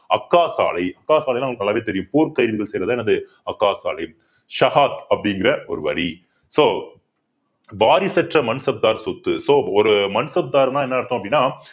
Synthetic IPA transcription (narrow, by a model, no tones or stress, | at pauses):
ɐkːaːsa̰ːlɐɪɐkːaːsaːlɐɪlaːɐŋːɐkːnɐlːaːʋeːt̪ɛɾɪjɯmpuːɾkɐɪɾʋɪɣɐɭsɛjrɐðːɛnɐðɯ | ɐkːaːsa̰ːlɐɪ | ʃɐhaːt̪ɐpːɐɽɪŋɡɪɾɐɔ̰ɾɯʋɐ̰ɾi | soː | ʋaːɾɪsɛʈrɐmɐnsɐb̚d̪aːɾsɔt̪ːɯsoːɔɾɯmɐnsɐb̚d̪aːɾnãːɛnːɐɪɾɯt̪ːõɐp̬ːɐɽɪnːaː